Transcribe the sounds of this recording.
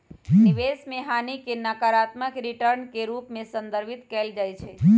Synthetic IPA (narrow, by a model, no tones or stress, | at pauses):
niʋesmeɦanikenəkaɾat̪məkɾiʈəɾnkeɾupmẽsə̃nd̪əɾbʱit̪kɛld͡ʒajt͡ʃʰɛ